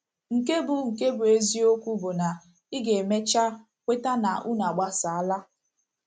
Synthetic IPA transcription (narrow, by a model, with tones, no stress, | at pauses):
ŋ̩˨ke˦bʊ˨ŋ̩˨ke˦bʊ˨e˦zi˦o˦kʷu˦bʊ˨na˨ | i˦ɡe˨me˦t͡ʃa˦ | kʷe˦ta˦na˨ʔu˦na˨ɡ͡ba˦sa˨a˦la˦